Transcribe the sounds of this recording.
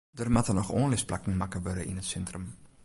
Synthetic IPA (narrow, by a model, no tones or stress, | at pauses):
dərmatərnɔχoːnlɪspla̰kŋ̩makəʋødəʔḭnətsɛntrəm